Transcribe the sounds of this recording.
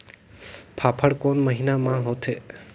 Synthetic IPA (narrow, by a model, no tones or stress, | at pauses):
pʰapʰəɽkonməɦinamãɦot̪ʰe